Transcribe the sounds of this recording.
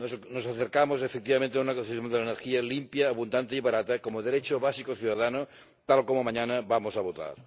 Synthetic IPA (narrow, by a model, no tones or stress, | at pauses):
nosnosaθeɾkamoz̬efek̚t̪iβamẽnt̪eaunɐkosijond̪elaeneɾxialimpjɐːβund̪ant̪eiβaɾat̪ɐkomoðeɾet͡ʃoβasikoθjuðaðano | t̪alkomomãɲanɐβamozaβot̪a̰ɾ